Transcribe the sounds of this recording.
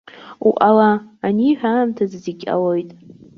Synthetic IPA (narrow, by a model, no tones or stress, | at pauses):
uʔalaːniħʷᶣaːmtʰazziɡʲʼa̰lojtʼ